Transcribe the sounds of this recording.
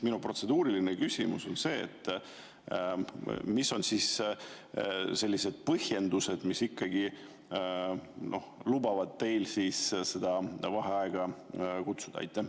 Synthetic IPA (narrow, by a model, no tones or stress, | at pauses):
minupro̞t̪se̞d̪uːɾilinekysʲimuso̞nse̞̰ːt̪ːˑ | miso̞nsiːs | se̞lʲːise̞d̪̥̚pɤhje̞nd̪use̞d̪̥misikːɑɡi | no̞̰hlubɑvɑd̪̥̚t̪e̞jlsiːssed̪̥ɑvɑɦe̞ɑeɡ̥ɑkut̪sud̪̥ɑ̰ɑ̰jt̪ːˑæ